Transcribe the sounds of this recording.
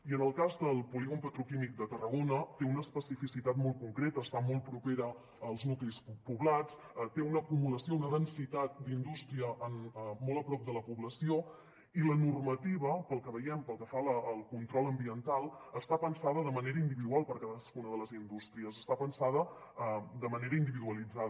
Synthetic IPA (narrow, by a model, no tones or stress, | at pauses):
iənəlˠkazd̪əlˠpuliɣumpət̪ɾukimik̚d̪ət̪ərəɣonət̪eunəːspəsifisit̪at̪mɔl̚ˠkuŋkɾet̪əːst̪amɔlˠpɾupeɾəː | lˠznuklispuβlat͡s | t̪eunəːkumuləsiounəðənsit̪at̪̚d̪ind̪ust̪ɾiəʔənmɔlˠəpɾɔp̚d̪ələpuβləsio | ilənurmət̪iβ̞əpəlˠkəβəjɛmpəlˠkəfaləːlˠkunt̪ɾɔlˠəmbiənt̪alˠəst̪apənsaðəðəməneɾəind̪iβiðualˠpəɾkaðəskunəðələzind̪ust̪ɾiəsəst̪apənsaðə | d̪əməneɾəind̪iβiðuəlid͡za